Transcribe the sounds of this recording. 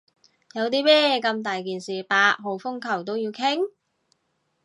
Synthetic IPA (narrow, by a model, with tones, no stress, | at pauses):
jɐ˨˧wt̪iː˥mɛː˥kɐ˧mt̪aː˨jkiː˨nsiː˨˩paː˧˥k̚ɦo˨˧˩wfʊ˥ŋkʰɐ˨˩wt̪o˥wjiː˧wkʰɪ˥ŋ